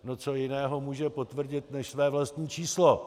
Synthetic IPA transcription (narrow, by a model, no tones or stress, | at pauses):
not͡so̞jɪnɛːɦo̞muːʒɛpo̞t̪vr̩ɟɪt̪nɛʃsvɛːvlast̪ɲiːt͡ʃiːslo